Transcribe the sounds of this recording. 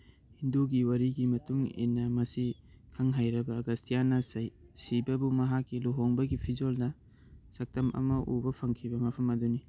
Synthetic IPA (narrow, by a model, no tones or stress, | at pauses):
hinduɡiwɐɾiɡimɐtuŋḛnːɐmɐsi | kʰɐŋɦajɾɐbɐːɡɐstʰijanɐsibɐbumɐɦakːiluɦoŋbɐɡipʰid͡ʒolnɐ | sɐk̚tɐmʔɐ̰mɐʔubɐpʰɐŋkʰibɐmɐpʰɐmɐduni